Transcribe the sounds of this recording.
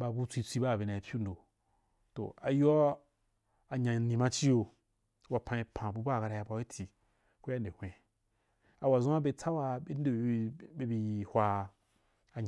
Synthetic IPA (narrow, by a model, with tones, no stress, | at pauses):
ba˧bu˦t͡sʷi˧t͡sʷi˧ba˦˨be˨na˨i˨pʲu˦n˨do˨ | to̰˨a˨jo˦ | a˨ɲa˨nĩ˨mã˦t͡ʃi˦jo˧ | wa˧pʰã˧i˧pʰã˨bu˧ba˦˨ka˧ɾa˧ja˧ba˧˦i˦tʲʰi˨ | ku˦a˦n˨de˨hʷẽ˨ | a˨wa˨zũ˦a˦be˧t͡sa˦wa˧be˦n˦de˦˨˦be˧bi˧hʷa˧ | a˨ɲ˨